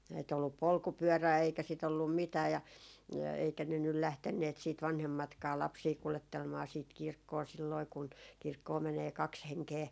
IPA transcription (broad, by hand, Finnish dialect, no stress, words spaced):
ei t olːup polkupyøræː eikæ sit olːum mitæː jɑ eikæ ne nyl læhtenːeːt siːt ʋɑnhemːɑtkɑː lɑpsiː kuletːelmɑː siːt kirkːoː silːoi kun kirkːoː meneː kɑks heŋkeː